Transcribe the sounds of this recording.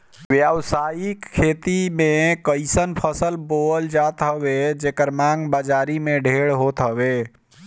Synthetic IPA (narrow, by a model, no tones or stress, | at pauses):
bjawsajikʰːet̪imekəɪsənpʰəsəlboəld͡ʒat̪ɦəbed͡ʒekəɾmãŋɡbəd͡ʒaɾimeɖʱeɽɦot̪ɦəbe